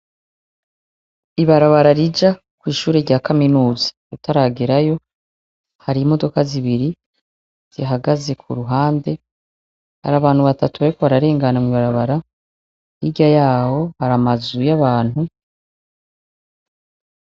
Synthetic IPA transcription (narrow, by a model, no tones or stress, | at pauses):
iβaɾaβaɾaɾid͡ʒa | kwiːʃuːɾe̞ɾɟaːkaminuːzḁ | utaɾaɡeɾajo̞ | haɾimo̞do̞kaziβiɾi | z̥iɦaɡaze̞kʰṵɾuɦaːnde̞ | ha̰ɾaːβaːn̥huβatatuβaɾikoβaɾaɾe̞ːŋɡanamŋiβaɾaβaɾa | jiɟajaːho̞haɾamazujaβaːn̥hu